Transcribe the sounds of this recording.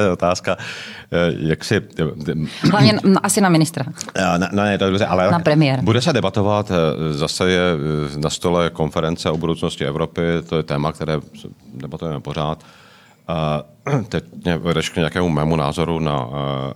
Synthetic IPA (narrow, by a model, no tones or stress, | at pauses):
ot̪aːska | jaksɪ | lavɲɛʔasɪnamɪnɪst̪ɾananɛnɛt̪odobrɛʔalɛnapɾɛmɪjɛɾbudɛs̬ɛdɛbat̪o̞vat̪zasɛjɛnast̪o̞lɛko̞nfɛɾɛnt͡sɛobudowt͡sno̞scɪɛvɾo̞pɪt̪ojɛt̪ɛːmak̚t̪ɛɾɛːsɛdɛbat̪ujɛmɛpo̞ɾ̝aːt̪ | t̪ɛɲɛvɛdɛʃkɲɛjakɛːmumɛːmuna̰ːzo̞ɾuna̰